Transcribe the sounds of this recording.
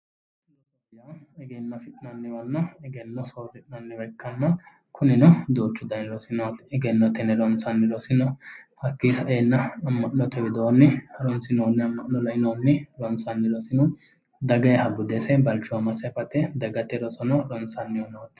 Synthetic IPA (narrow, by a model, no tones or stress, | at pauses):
slɔsɔjɐ | ɛɡɛnːɔfɪt̪ʼnɐnːɪwɐnːɔɛɡɛnːɔsoːfɪt̪ʼnɐnːɪbɛkːɐnːɐ | kʰʊnɪnɔd̪oːt͡ʃːʊd̪ɐnlɔsɪnɔt̪ɛɡɛnːɔt̪ɛnɛɾɔnsɐnːɪlɔsɪnɔhɐkːisɐʔeːnːɐːmːɐʔnɔt̪ɛbɪd̪onːɪhɐɾɔnsɪnoːnːɪɐmːɐʔnɔlɐɪnoːnːɪlɔnsɐnːɪlɔsɪnɔ | d̪ɐɡɐjhɐbʊd̪esɛbɐlt͡ʃːʊɐmɐsɛfɐt̪ːɛd̪ɐɡɐt̪ːɛɾɔsɔnɔlɔnsɐnːɪwɔnːɔt̪ː